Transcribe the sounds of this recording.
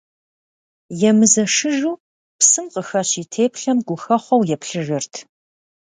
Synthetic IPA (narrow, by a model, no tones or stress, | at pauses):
jɛmɨzɐʂɨʒuː | psɨmqəxɐɕiːtʰeːpɬɐmɡʷʊxɐχʷɔwjɛpɬɨʒɪrtʰ